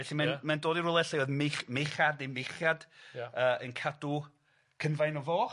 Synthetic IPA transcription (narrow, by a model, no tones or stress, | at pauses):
vɛɬimanmandoːdiɾʊːlˠɛɬaojðmeχmejχademeχjadəːənkʰadu | kʰənvajnɔvoː